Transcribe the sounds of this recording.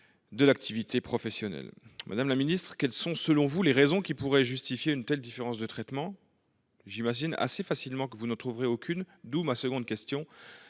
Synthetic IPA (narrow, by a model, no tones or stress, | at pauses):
d̪əlak̚t̪ʰivit̪ʰepχɔfɛsjɔnɛ̰lmʔa̰d̪amlaminist̪χə̥kʲɛlsɔ̃səlɔ̃vuleʁezɔ̃kʲipuʁɛʒyst̪ifjeynt̪ɛld̪ifeʁɑ̃sd̪ət̪χɛt̪mɑ̃ | ʒimaʒina̰sefasilmɑ̃kəvunɑ̃t̪χuvʁeokʰʲyn | d̪umasəɡɔ̃d̪kʲɛst̪jɔ̃